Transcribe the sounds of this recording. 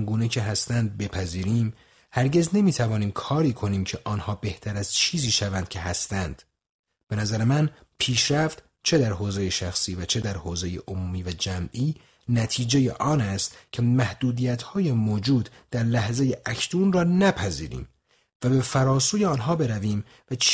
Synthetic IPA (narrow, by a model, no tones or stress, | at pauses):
ŋɡuːne̞cʰe̞ɦæst̪ænd̪̚be̞pʰæziːɾiːm | hæɾɟe̞zne̞miːt̪ʰævɒːniːmkʰɒːɾiːkʰo̞niːmcʰe̞ʔɒːnhɒːbe̞ht̪ʰæɾæz̥t͡ʃʰiːziːʃævænd̪̥cʲʰe̞ɦæst̪ænd̪̥ | b̥e̞næzæɾemæn | pʰiːʃɾæft̪ | t͡ʃʰe̞d̪æɾɦoːzejeʃæxsiːvæt͡ʃʰe̞d̪æɾhoːzejḛʔomuːmiːvæd͡ʒæmʔiː | næt̪ʰiːd͡ʒe̞jḛʔɒːnæst̪cʰe̞mæhd̪̥uːd̪iːjæt̪hɒːjemoːd͡ʒuːd̪d̪̥æɾlæhzeje̞ʔækʰt̪uːnrɒːnæpʰæzḭːɾḭːm | væbe̞fæɾɒːsuːjeɒːnɦɒːbe̞ɾæviːm | væt͡ʃʰ